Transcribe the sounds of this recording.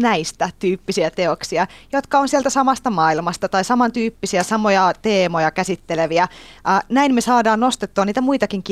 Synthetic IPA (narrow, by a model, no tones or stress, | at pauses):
næist̪æt̪yːpːisiæt̪eoksiɑjot̪kɑonsiælt̪æsɑmɑst̪ɑmɑːilmɑst̪ɑt̪ɑisɑmɑnt̪yːpːisiæsɑmojɑt̪eːmojɑkæsit̪ːeleʋiæʔːnæinmesɑːdɑːnnost̪et̪ːuɑniːt̪æmuit̪ɑkiŋk